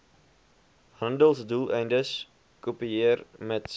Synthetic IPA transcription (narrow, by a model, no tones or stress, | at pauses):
həndəlˠsdulˠʔɛjndəs | kopiɪərmɛts